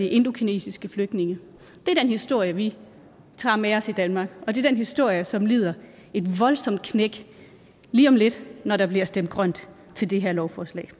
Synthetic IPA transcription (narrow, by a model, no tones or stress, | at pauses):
iʔe̝nd̥o̝kʰine̝̰ːsisɡ̥əfløɡ̥̚ne̝ŋə | d̥e̝æɐd̥enhisd̥o̝ɐ̰jəʋi | t͡sʰɑ̈meɒ̽sid̥ænmɑ̈ːɡ̥ɒ̽d̥e̝ɐd̥enɦisd̥o̝ɐ̰jəsɒ̽mlḭːð̞̰ˠɐ | e̝d̥ʋɒ̽lsɒ̽md̥̚kʰneɡ̥ | liːɒ̽mle̝d̥nɒɾɑ̈b̥liɐsd̥em̰d̥̚ɡ̥ʁɶn̰d̥ | t͡sʰe̝ld̥e̝ɦeɐ̰lɒʊfɒːslɛ̰ː